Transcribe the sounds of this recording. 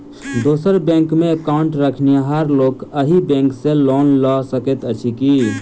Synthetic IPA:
d̪osəɾbẽŋkmeəkaʊɳʈɾəkʰnijaɦaɾlokəɦibɛ̃ŋksẽlonlɔsəket̪ət͡ʃʰiki

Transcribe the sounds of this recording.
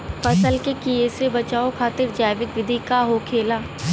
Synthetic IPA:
fɐsəlkekieːsebɐt͡ʃaːokʰaːt̪ɪɾd͡ʒaːɪʋɪkʋɪd̪ʱikaɦokʰeːlaː

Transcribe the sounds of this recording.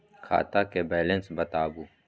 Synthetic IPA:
kʰa̰ːt̪akebɛːlẽnsbɐt̪aːbu

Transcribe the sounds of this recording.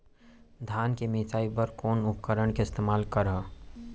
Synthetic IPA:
d̪ʱaːnkemesaːipəɾkoːnʊp̚kəɾəɳkeɪst̪eːmaːlkəɾɦə̃

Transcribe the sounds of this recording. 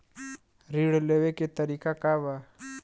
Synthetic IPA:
ɾiːɽleːweket̪əɾikakaːba

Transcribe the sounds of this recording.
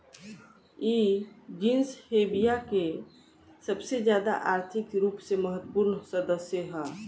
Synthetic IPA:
id͡ʒinshebijake | səbsed͡ʒjaːd̪a̰ʔaːɾt̪ʰɪkɾuːpseməɦət̪ːəpuɾnsəd̪əsjəɦɛ

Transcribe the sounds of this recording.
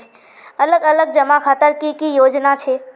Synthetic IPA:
ɐləɡɐləɡ̚d͡ʒɐmakʰaːt̪əɾkikijoːd͡ʒnat͡ʃʰeː

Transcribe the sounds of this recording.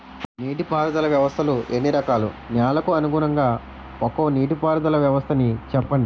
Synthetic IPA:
niːʈipaːɾud̪ɐlɐʋjɐʋɐst̪ʰɐluʔenːiɾɐkaːlṵ | njaːlɐkuɐnuɡuɾɐŋɡaː | pokoːniːʈipaːɾd̪ɐlɐʋjɐʋɐst̪ʰɐnit͡ʃɛpːɐɳɖi

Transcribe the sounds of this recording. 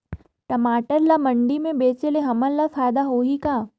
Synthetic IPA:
ʈɐmaːʈəɾlamɐɳɖimẽbeːt͡ʃeleɦɐməlafaːjd̪aɦoːɦikaː

